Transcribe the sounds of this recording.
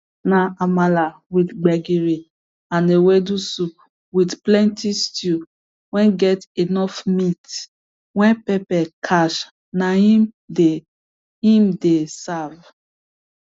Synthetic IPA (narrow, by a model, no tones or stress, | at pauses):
naamalawidɡ͡bɛɡiɾi | ãnewɛdusu | widplɛ̃ntistju | wɛ̃nɡɛtenɔfmit | wɛ̃npɛpɛkʰaʃ | nai | de | ĩmdesav